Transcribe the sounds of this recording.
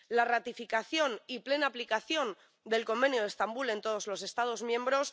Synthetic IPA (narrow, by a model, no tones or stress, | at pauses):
larat̪ifikaθjo̞niple̞naːplikaθjo̞n | d̪e̞lko̞mbe̞njoðest̪ambule̞nt̪o̞ð̞o̞zlo̞se̞st̪að̞o̞zmjẽ̞mbɾo̞s